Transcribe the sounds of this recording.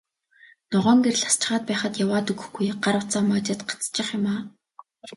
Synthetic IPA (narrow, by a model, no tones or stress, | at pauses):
nɔʁɔːŋɡerɮḁst͡ɕɪ̆χaːt̪̚pæːχə̆t̪jawaːt̪ɵɣɵ̆xɡujɢ̥aɾʊt͡saːmaːt͡ɕăːt̪ɢḁt͡st͡ɕɪ̆χjʊmaː